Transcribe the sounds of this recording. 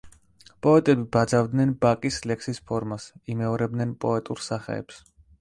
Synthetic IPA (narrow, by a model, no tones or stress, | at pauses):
pʼɔɛt̪ʼɛbibad̪zavd̪nɛnbakʼislɛksispʰɔɾmasimɛɔɾɛb̚d̪nɛnpʼɔɛt̪ʼuɾsaχɛ̰ːps